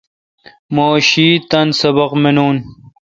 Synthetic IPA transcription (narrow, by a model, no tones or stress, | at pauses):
moːɕiːt̪ɐnsɐbɐqmenuːn